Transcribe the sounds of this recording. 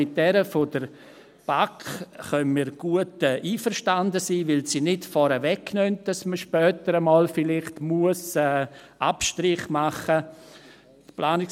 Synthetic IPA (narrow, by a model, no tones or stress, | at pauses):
ɪt̚d̥ɛɾəfodəɾ | b̥akχœnmiːɾɡ̥uətɛʔiːfəɾʃtandəsiːvɪlsiːnɪtfɔɾəʋɛkːnœnt̚d̥ɑsməʃpœːtəɾəmɔːlfɪlɪχtmuəsɛː | apʃtɾɪχmaχə | tplaːnɪk